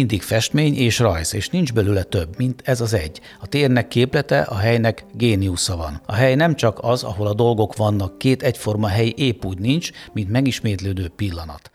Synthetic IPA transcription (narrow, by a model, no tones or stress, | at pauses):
ind̪ikfɛʃt̪meːɲeːʃrɒjseːʃnind͡ʒbɛlylɛt̪ø̞bːmint̪ʰɛzɒzɛɟː | ɒt̪eːrnɛkːeːplɛt̪ɛ̰ʔɒɦɛjnɛkɡeːniusɒvɒ̰nɒ̰ɦɛjnɛmt͡ʃɒkɒzɒ̰ɦo̞lɒd̪o̞lɡo̞kʋɒnːɒkːeːt̪ɛcfo̞rmɒɦɛjiʔeːpːuːɟnint͡ʃmint̪mɛɡiʃmeːt̪løːd̪øːpilːɒnɒ̰t̪